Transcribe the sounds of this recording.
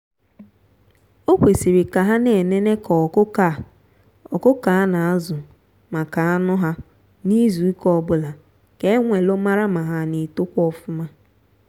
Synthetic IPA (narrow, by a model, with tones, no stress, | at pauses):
o˦kʷe˨si˨ɾi˨ka˨ɦa˦ne˨ne˦ne˦kɔ˨kʊ˦ka˦˨ | ɔ˨kʊ˦ka˨a˦na˨a˦zʊ˨ | ma˨ka˨a˦nʊ˦ɦa˦ | ni˦zu˨i˦kɔ˦bʊ˦la˨ | ke˦ŋʷe˨lʊ˦ma˦ɾa˦ma˨ɦa˨˦ni˨tʊ˦kʷɔ˦fʊ˦ma˦